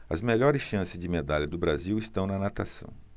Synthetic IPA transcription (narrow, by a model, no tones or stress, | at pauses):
ɐ̰zmeʎɔɾɪsʃɐ̃sɪzd͡ʒɪmed̪aʎɐd̪ʊbɾaziwɪst̪ɐ̃w̃nɐnat̪asɐ̰̃w̃